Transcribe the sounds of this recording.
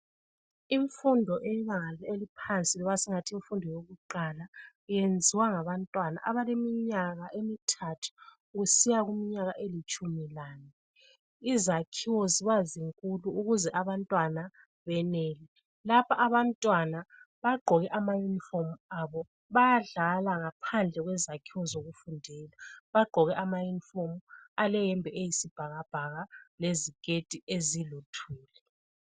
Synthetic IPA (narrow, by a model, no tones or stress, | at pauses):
iɱfundʱɔʔɛiɣaŋalɛelipʰant͡sʼilɔβasiŋatʰiiɱfundʱɔjoɣuǃala | jend͡zʱiwaŋaβantʼwana̰ʔaβalemiɲaɣaʔemitʰatʰu̥ | ɣusijaɣumiɲaɣaʔelit͡ʃʼumilaːni | izakʰiwɔziβaziŋkʼuluuɣuzɛʔaβantʼwana | βɛnɛːlɛ | lapʰaʔaβantʼwana | βaɡ͡ǃʱɔɣɛʔamajunifomuaβɔ | βajaɮalaŋapʰand͡ɮʱɛɣwɛzakʰiwɔzoɣufundʱɛːlaβaɡ͡ǃʱɔɣɛʔamajunifomualɛjɛmbʱɛejisib̥ʱaɣab̥ʱaɣalezikʼetʼiezilutʰiːlɛ